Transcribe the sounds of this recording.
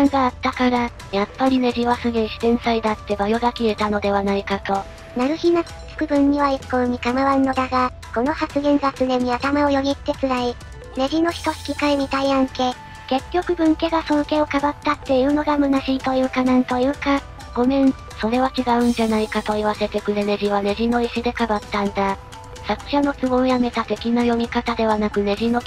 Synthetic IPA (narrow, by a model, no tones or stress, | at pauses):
ãŋɡaːt̪ːakaɾa | japːaɾʲine̞ʑiβasɨɡeɕi̥zẽ̞ɰ̃said̪at̪ːe̞bajo̞ɡakʲie̞t̪ano̞d̪e̞βanaikat̪o̞ | naɾɯ̟çinḁ | t͡sɨ̥kɯ̟bɯ̟̃ɲ̟ːiβaikːoɯ̟mʲikamaβanːo̞d̪aɡa | ko̞no̞hat͡sɨɡẽ̞ŋɡat͡sɨne̞ɲ̟iat̪amao̞jo̞ɲʲit̪ːe̞t͡sɨɾai | ne̞ʑino̞çi̥t̪o̞si̥kʲikaeɲ̟it̪aiãŋke̞ː | ke̞kʲːo̞kɯ̟bɯ̟̃ŋke̞ɡasõ̞ŋke̞o̞kabat̪ːat̪ːe̞iɯ̟no̞ɡamɯ̟naɕit̪o̞jɯ̟ːkanãnt̪o̞jɯ̟ːka | ɡo̞mẽ̞ɴ | so̞ɾe̞βat͡ɕiɡaɯ̟̃ɲ̟d͡ʑanaikat̪o̞iβ̞ase̞t̪e̞kɯ̟ɾe̞ne̞ʑiβ̞ane̞ʑino̞iɕid̪e̞kabat̪ːãnd̪a | sakɯ̟̥ɕano̞t͡sɨɡo̞jame̞t̪at̪e̞kʲinajo̞mʲikat̪ad̪e̞βanakɯ̟ne̞ʑino̞